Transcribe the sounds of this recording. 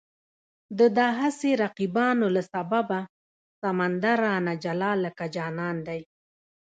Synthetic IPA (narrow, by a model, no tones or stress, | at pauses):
d̪əd̪ɑɦaseɾaqibɑnolasababa | samand̪aɾanad͡ʒalɑlːəkad͡ʒɑnɑnd̪aj